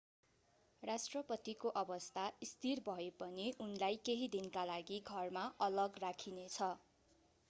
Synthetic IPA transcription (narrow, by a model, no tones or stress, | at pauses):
rasʈrʌpʌt̪ikoʔʌbʌst̪ʰaist̪ʰirbʱʌepʌniʔunlajkeɦid̪inkalaɡiɡʱʌrmaʌlʌɡrakʰinet͡sʰʌ